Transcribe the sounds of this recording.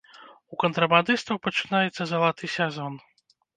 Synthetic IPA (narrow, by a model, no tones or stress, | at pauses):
ukɐnt̪ɾɐband̪ɨst̪vɐwpɐt͡ʂɨnajɛt̪sːɐzɐlˠat̪ɨsʲazɔn